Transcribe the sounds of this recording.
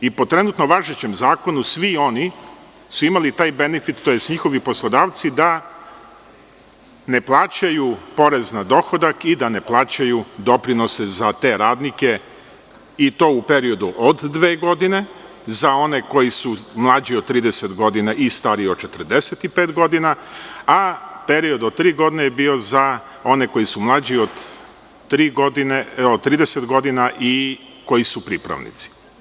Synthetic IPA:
ipo̞t̪ɾe̞nut̪no̞ʋaʒet͡ɕe̞mzaːko̞nusʋio̞ni | suimalit̪aːjbe̞nefit̪t̪ːojest̪ɲixo̞ʋipo̞slˠod̪aːʋt̪sid̪a | ne̞plˠaːt͡ɕajupo̞ɾe̞znad̪o̞xo̞d̪akid̪ane̞plˠaːt͡ɕajud̪o̞pɾino̞sezat̪e̞ɾaːd̪nike̞ | it̪o̞ːupe̞ɾio̞d̪uʔod̪ːʋe̞ːɡo̞d̪ine̞ | zao̞neko̞jisumlˠaːd͡ʑiod̪̚t̪ːɾiːd̪e̞se̞t̪ɡo̞d̪inaʔist̪aːɾiot͡ʃe̞t̪r̩d̪eset̪ipeːt̪ɡo̞d̪inaape̞ɾio̞d̪ot̪ɾiːɡo̞d̪inejebiːo̞za | o̞ne̞ko̞jisumlˠaːd͡ʑiod̪ | ɾiːɡod̪ineod̪t̪ɾiːd̪e̞se̞t̪ɡo̞d̪inaʔi | ko̞jisupɾipɾa̰ʋnḭt̪si̥

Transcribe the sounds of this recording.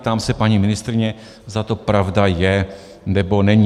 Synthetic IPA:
t̪aːmsɛpaɲimɪnɪst̪ɾɪɲɛ | zat̪opɾavdajɛ | nɛbonɛɲi

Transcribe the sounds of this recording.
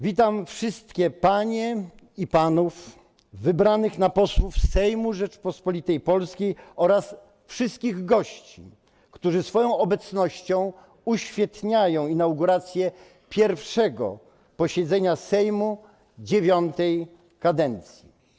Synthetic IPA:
vʲit̪amfʂɘst̪̚kʲɛpaɲɛ | ipanuf | vɘbɾanɘxnapɔswufsɛjmuʐɛt͡ʂpɔspɔlʲit̪ɛjpɔlskʲejɔɾas | fʂɨst̪̚kʲiɣɡɔɕt͡ɕḭ | kt̪uʐɘsfɔjɔ̃w̃ɔbɛt̪snɔɕt͡ɕɔ̃w̃ | uɕfʲjɛt̪ɲajɔ̃w̃inawɡuɾat̪sʲjɛ | pʲjɛɾfʂɛɡɔ̰ | pɔɕɛd̪zɛɲasɛjmu | d͡ʑevʲjɔnt̪ɛj | kad̪ɛnt̪sʲji

